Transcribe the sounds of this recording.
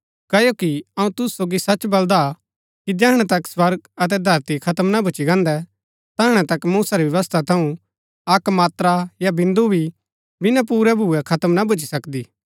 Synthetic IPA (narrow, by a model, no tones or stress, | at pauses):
kɐjokiɐũt̪ʊsːoːɡisɐt͡ʃbɐld̪a | kid͡ʒɛːɦɽ̃ɛt̪ɐkswɐɾɡɐt̪̬ɛd̪ʱɐɾt̪ikʰɐt̪əmnabʱʊt͡ʃiɡɐ̃ːnd̪ɛ | t̪ɐɦʊɽ̃ɛ̃t̪ɐkmuːsaɾiʋjɐʋəst̪ʰat̪ʰɐũ | ɐkmaːt̪ɾajabɪ̃nd̪ubʱi | bɪnap̬uːɾɛbʱuɛkʰɐt̪əmnabʱʊt͡ʃi̥sɐkd̪iː